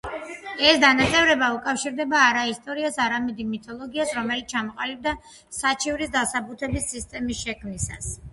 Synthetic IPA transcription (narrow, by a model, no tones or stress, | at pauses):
ɛsd̪anat̪sʼɛvɾɛbaukʼafʃiɾd̪ɛbaːɾaist̪ʼɔɾiasaɾamɛd̪imit̪ʰɔlˠɔɡiasɾɔmɛlit̪ʰt͡ʃʰamɔqʼalib̚d̪a | sat͡ʃʰivɾisd̪asabut̪ʰɛbisːist̪ʼɛmisʃɛkʰmnisa̰s